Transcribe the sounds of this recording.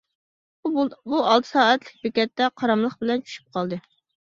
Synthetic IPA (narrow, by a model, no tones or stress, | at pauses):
buɑlˠt̪ʰɨ̥sɑːɛt̪lɪk̚ʲbekʲɛt̪ːɛqʰɑɾɑmlˠəχbɪlɛnt͡ʃʰy̥ʃy̥p̚qʰɑlˠd̪ɨ